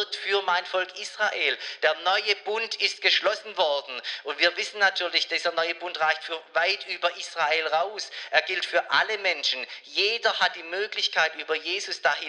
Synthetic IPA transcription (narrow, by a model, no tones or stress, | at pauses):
k̚tfyːɐmaɪnfɔlkʔisʁ̥aʔeːld̥eːɐnɔʏəbʊntɪst̚ɡ̥əʃlɔsn̩vɔɐdn̩ʔʊntviːɐvɪsn̩natʰyːɐlɪçd̥iːzəɐnɔʏəbʊntʁaɪçtfyːɐvaɪtʔyːbɐʔiːsʁ̥aeːlʁaʊsʔeːɐɡɪltfyːɐʔa̰ləmɛnʃn̩jeːdɐhat̚d̥iːmøːklɪçkʰaɪtʔyːbɐjeːzʊsd̥aːɦɪ